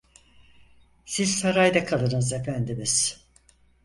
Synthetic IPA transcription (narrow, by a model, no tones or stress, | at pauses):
siz̥saɾajd̪akʰalˠɯnɯzefænd̪imiz̥